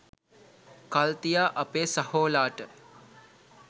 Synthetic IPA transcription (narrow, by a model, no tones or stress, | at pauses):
kalt̪ijaːʔɐpeːsahoːlaːʈə